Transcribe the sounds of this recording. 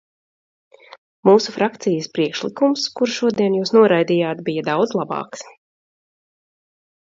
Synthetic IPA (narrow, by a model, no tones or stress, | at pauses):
muːsufɾakt̪sijəspɾiɛkʃlikumskuɾʃuɔd̪iɛnjuːsnuɔɾajd̪iːjaːt̪bijɐd̪awd̪zlˠabɑ̰ːks